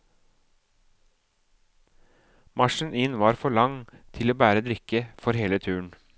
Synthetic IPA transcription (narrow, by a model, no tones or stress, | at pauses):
mɑʃn̩ʔɪnʋɑːɾfɔɭɑŋt̪ʰɪloːbæːɾəd̪ɾɪkəfɔɾheːlət̪ʰʉːɳ̩